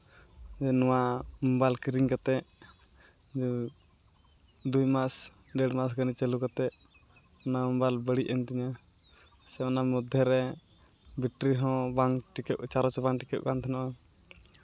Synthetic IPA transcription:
ɛnɔwamɔmbalkiɾiŋkat̪ɛʔ | d͡ʒ | d̪ujmas | ɖɛɽmas̬ɡanit͡ʃɛlukat̪ɛʔ | naməmbalbəɽiʔɛnt̪ɛɲa | sɛmanamud̪ʱːɛɾɛ | biʈɾiɦɔ̃baŋʈikɛʔt͡ʃaɾɔt͡ʃɔbaŋʈikɛʔ̚kant̪ʰɛnɔʔɔ

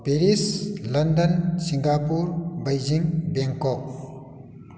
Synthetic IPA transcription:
peɾislɐnd̪ənsiŋɡapuɾbɐjd͡ʒiŋbeŋkɔk̚

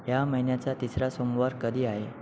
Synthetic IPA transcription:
ɦjaməɦinjat͡sat̪isɾasomʋaɾkəd̪ʱiːaɦe

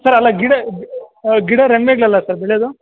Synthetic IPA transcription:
sɐɾɐlːɐɡiɽɐ | ɡiɽɐɾeŋmeɡɭɐlːɐsɐɾbeɭed̪u

